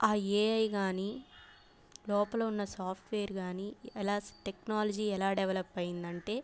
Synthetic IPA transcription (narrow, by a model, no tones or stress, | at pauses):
aːeːɐjɡaːni | lɔːpɐlɐunːɐsaːpʰʈʋeːɐɾɡaːniɛlaːsʈeknaːlɐd͡ʒiːɛlaːɖɛʋɐlɐpːɐjind̪ɐɳʈe̞ː